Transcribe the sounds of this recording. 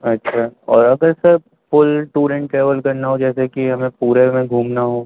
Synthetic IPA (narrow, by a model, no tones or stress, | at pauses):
ɐtːʃʰaːɔːɾɐɡəɾsɐɾ | fʊlʈuːɾə̃ɳʈʈɾeːʋəlkɐɾnaɦod͡ʒɛːsekiɦɐmẽpuːɾemẽɡʱuːmnaɦoː